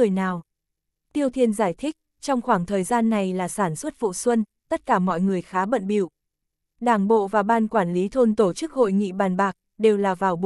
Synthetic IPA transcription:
ɨ˨˩əjnaː˨˩w | t̪i˧əwt̪ʰi˧ənzaː˧˩jt̪ʰï˦˥k̚ | t͡ɕɔ˧wŋ͡mxwaː˧˩ŋt̪ʰəː˨˩jzaː˧nːa˨˩jlaː˨˩saː˧˩nswə˦˥t̚fṵ˧˨swə˧n | t̪ə˦˥t̚kaː˧˩mɔ̰˧˨jŋɨ˨˩əjxaː˨˦ɓə̰˧˨nɓḭ˧˩˨w | ɗaː˧˩ŋɓo̰˧˨vaː˨˩ɓaː˧nkwaː˧˩nli˨˦t̪ʰo˧nt̪o˧˩t͡ɕɨ˦˥k̚ho̰˧˨jŋḭ˧˨ɓaː˨˩nɓaː˨˩k̚ | ɗe˨˩wlaː˨˩vaː˨˩wɓ

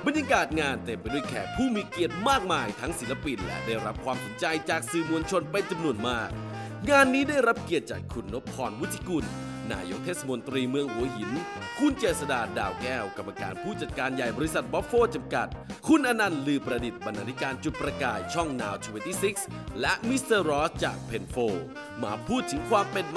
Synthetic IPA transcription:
ba˧nja˧kaː˨˩t̪̚ŋaː˧nt̪e˧mpa˨jdu˥˩ə˨jkʰɛ̰ː˨˩pʰuː˥˩miː˧ki˨˩ət̪̚maː˥˩k̚maː˧jt̪ʰa˦˥ŋsi˩˦la˧pi˧nlɛ̰˦˥daː˥˩jɾa˦˥p̚kʰwaː˧mso˨˩˦nt͡ɕa˧jt͡ɕaː˨˩k̚sɯː˨˩mu˧ənt͡ɕʰo˧npe˧nt͡ɕa˧mnu˧ənmaː˥˩k̚ | ŋaː˧nːiː˦˥daː˥˩jɾa˦˥p̚ki˨˩ət̪̚t͡ɕaː˨˩kʰu˧nːo˦˥pʰːɔː˧nwu˦˥t̪ʰːi̥˧ku˧nː | a̰ː˧jo̰˦˥k̚t̪ʰeː˥˩sa˧mo˧nt̪ɾiː˧mɯ˧əŋhu˨˦ɐɦi˨˩˦n | kʰu˧nt͡ɕeː˨˩t̪̚sa˧daː˧daː˧wkɛː˥˩wka˨˧˩mːaː˧ka̰ː˧npʰuː˥˩t͡ɕa˨˩t̪̚kaː˧nja˨˩jbɔː˧ɾi˧˥sa˨˩t̪̚bɔ˦˥p̚foː˥˩t͡ɕa˧mka˨˩t̪̚kʰu˧nʔa˧na˧nlɯː˧˩pɾa˧di˨˩t̪̚ba˧nːaː˧t̪ʰi˦˥kaː˧nt͡ɕu˨˩t̪̚pɾa˧kaː˨˩jt͡ɕʰɔ˥˩ŋnaː˧wt̪ʰu˧e˧nt̪iː˥˩si˦˥k̚s | lɛ˦˥ʔmi˦˥st̪əː˧ɾɔː˦˥st͡ɕaː˨˩k̚pʰe˧nfoː˧˩ | maː˨˦pʰuː˥˩t̪ʰɯ˩˦ŋkʰwaː˧mpe˧n

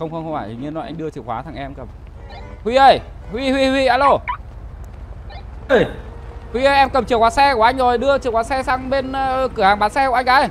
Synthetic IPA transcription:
xə˧wŋ͡mxə˧wŋ͡mxwaː˧˩ji˨˩ɲi˧nɔ˨˩jʔa˧ŋ̟ɗɨ˧ət͡ɕɨ˨˩əkwaː˨˦t̪ʰa˨˩ŋʔɛ˧mkə˨˩m | hwi˧ʔə˧˩j | hwi˧hwi˧hwi˧ʔaː˧lo˧˩ | ə˧hwi˧ʔə˧˦ʔɛ˧mkə˨˩mt͡ɕɨ˨˩əkwaː˨˦sɛ˧kʔa˧jŋ̟zo˨˩jɗɨ˧ət͡ɕɨ˨˩əkwaː˨˦sɛ˧saː˧ŋɓe˧nkɨ˨˧˩əhaː˨˩ŋɓaː˨˦nsɛ˧ku˧˩˨a˧jʔaː˨˦j

